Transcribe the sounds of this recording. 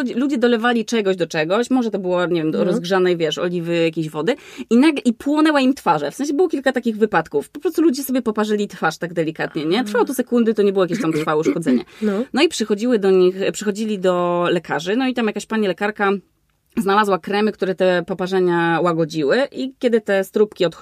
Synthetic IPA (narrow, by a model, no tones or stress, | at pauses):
ɔd͡ʑlud͡ʑɛd̪ɔlɛvalʲit͡ʂɛɡɔʑd̪ɔt͡ʂɛɡɔɕmɔʐɛt̪ɔbɘwɔɲɛvʲjɛmɾɔzɡʐanɛjvʲjɛʂɔ̰lʲivɘjakʲeʑvɔd̪ɘinaɡlɛʔipwɔnɛwaimt̪faʐɛfsɛ̃ñɕ̬ɛbɘwɔkʲilkat̪akʲiɣvɘpat̪kufpɔpɾɔst̪ulud͡ʑɛsɔbʲjɛpɔpaʐɘlʲit̪faʂt̪aɡ̚d̪ɛlʲikat̪ɲɛɲɛt̪ɾfawɔt̪ɔsɛkund̪ɘt̪ɔɲɛbɘwɔjakʲeɕ̬t̪amt̪ɾfawuʂkɔd̪zɛɲɛ̰nnɔipʂɘxɔd͡ʑiwɘd̪ɔɲixpʂɘxɔd͡ʑilʲid̪ɔlɛkaʐɘnɔit̪amjakaɕpaɲilɛkaɾka | znalazwakɾɛmɘkt̪uɾɛt̪ɛpɔpaʐɛɲawaɡɔd͡ʑiwɘʔikʲɛd̪ɘt̪ɛst̪ɾupkʲiɔt̪